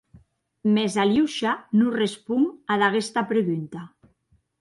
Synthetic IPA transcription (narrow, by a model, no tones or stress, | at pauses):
mezaljiwʃanurespuŋaðaɣest̪apɾeɣunt̪a